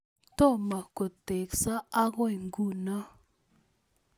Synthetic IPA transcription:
to˦˨ma˨ko˨te˨ksa˦a˦ɣwi˨ŋɡu˦˨na˦

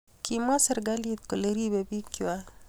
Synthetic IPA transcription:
kʰima˦sə˦ɾɡa˦lit̪̚ko˨le˦ɾi˦be˨bi˦ki˨wa˦

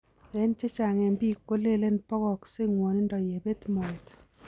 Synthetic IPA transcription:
e˦nt͡ʃe˦t͡ʃa˨ŋɛ˨mbi˦kːo˦le˦le˦npɔ˦kɔ˨kse˦ŋwɔ˨ni˦ndɔ˨je˨be˦tmɔ˨e˨t

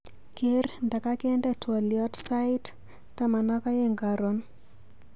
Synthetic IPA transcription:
ke˦ɾnda˨ka˦ke˦ndɛ˦twɔ˨ljɔ˦tsa˦ɪ˦t | tːa˦ma˨nɔ˦ka˦je˦ŋɡa˨ɾo˨n

